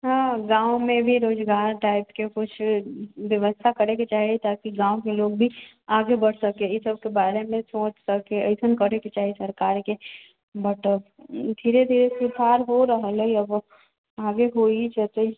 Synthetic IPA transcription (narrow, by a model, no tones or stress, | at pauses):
ɦãːɡãːõmẽbʱiɾoːd͡ʒɡaːɾʈaːɪpkekʊt͡ʃʰʋjəʋəst̪ʰakɐɾekit͡ʃaːɦiet̪aːkiɡãːõkeloːɡ̚bʱi | aːɡebɐɽ̤sɐkeɪsəb̚kebaːɾemẽsõːt͡ʃsɐkeəɪsənkɐɾekit͡ʃaːɦiesɐɾkaːɾke | bɐʈə | d̪ʱiːɾed̪ʱiːɾesut̪ʰaːɾɦoɾɐɦleiɐb | aːɡeɦoːid͡ʒɛt̪oɪ